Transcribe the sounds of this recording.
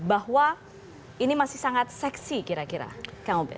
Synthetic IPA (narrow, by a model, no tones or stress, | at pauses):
baɦwa | inimasɪhsaŋat̪̚sɛksikiɾakiɾa̰kaŋubɛ̰